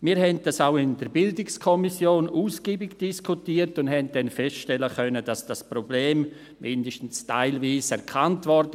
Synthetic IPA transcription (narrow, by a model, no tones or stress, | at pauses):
miːɾhɛnd̚dasaʊɪndəɾbɪldɪkskʰɔmisjoːnuːsɡ̥iːbɪɡd̥iskʰutiːəɾtʊndhɛnt̚d̥ɛnfɛstʃtɛləxœnədasd̥aspɾɔbleːm | mɪndəʃtn̩sta̰ɪlviːsɛɾkʰantvɔɾd